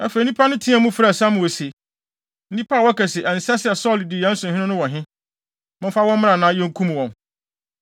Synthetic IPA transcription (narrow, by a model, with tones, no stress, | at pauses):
a˨fe˨nĩ˦pʰa˦nʊ̃˦tʰĩ˦a˨mũ˦fɾa˨sã˦mʊ̃˨wɔ˨se˨ | n̩˦nĩ˦pʰa˦˨wɔ˦kɛ˨sɪ˨ʔɛ˨n̩˨sɛ˦sɪ˦ɛ˨sɔ˦lɪ˨di˨jã˦n̩˦sʊ̃˨ɦɪ̃˦ʊ̃˦nʊ̃˦wɔ̃˨ɦɪ̃˦ | mɪ̃˦fa˦wɔ̃˦m˦mɪ̃˦ã˨nã˨˦jɛ̃˦ŋ̩˦kʰũ˦m̃˨wɔ̃˨n